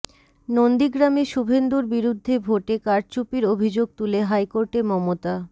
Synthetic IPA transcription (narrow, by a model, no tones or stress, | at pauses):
nond̪iɡɾameʃubʱend̪uɾbiɾud̪ʱːebʱoʈekaɾt͡ɕupiɾobʱid͡ʑoɡ̚t̪uleɦajkoɾʈemɔmot̪a